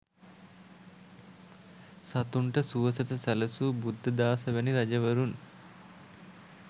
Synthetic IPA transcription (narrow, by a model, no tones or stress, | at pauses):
sat̪uɳʈəsuʋəsɐt̪əsælɐsubud̪ʱːɐd̪aːsɐʋæniɾɐd͡ʒɐʋɐɾun